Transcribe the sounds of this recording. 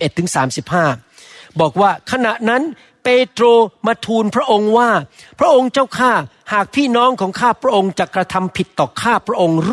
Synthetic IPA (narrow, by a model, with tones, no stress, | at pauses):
ʔe˨˩t̪ʰːɯ˩˦ŋsaː˩˦msi˨˩p̚haː˥˩ | bɔː˨˩k̚waː˥˩kʰa˧na˨˩ʔna˦˥n | peː˧t̪ɾoː˧ma˧t̪ʰuː˧npʰɾa˦˥ʔo˧ŋwaː˥˩ | pʰɾa˦˥ʔo˧ŋt͡ɕa˥˩wkʰaː˥˩ | haː˨˩k̚pʰiː˥˩nɔː˦˥ŋkʰɔː˩˦ŋkʰaː˥˩pʰɾa˦˥ʔo˧ŋt͡ɕa˨˩kɾa˧t̪ʰa˧mpʰi˨˩t̪ːɔː˨˩kʰaː˥˩pʰɾa˦˥ʔo˧ŋ